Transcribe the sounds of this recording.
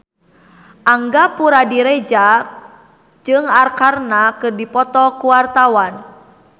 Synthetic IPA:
ʔaŋɡapuɾadiɾɛd͡ʒa | d͡ʒɨŋarkarnakɨrdipɔt̪ɔkuwart̪awan

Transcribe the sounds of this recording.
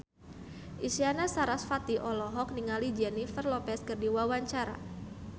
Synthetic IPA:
ʔisianasaɾasfat̪iʔɔlɔɦɔk̚niŋalid͡ʒɛnifərlɔpɛskɨrdiwawaɲt͡ʃaɾa̰

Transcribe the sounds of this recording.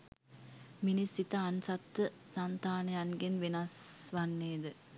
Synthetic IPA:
minisit̪ɐɐnsɐt̪ːəsant̪aːnɐjanɡenʋenɐsʋanːeːd̪ɨ

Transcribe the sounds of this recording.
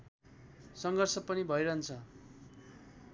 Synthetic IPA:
sʌŋɡʌrsʌpʌnibʱʌeɾʌɦʌnt͡sʰʌ

